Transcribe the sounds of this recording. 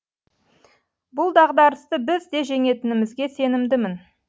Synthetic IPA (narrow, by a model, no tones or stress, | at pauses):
bʊlˠd̪ɑʁd̪ɑɾəst̪əbɪzd̪e̞ʒe̞ŋe̞t̪ɪnɪmɪzɡʲe̞se̞nɪmd̪ɪmɪn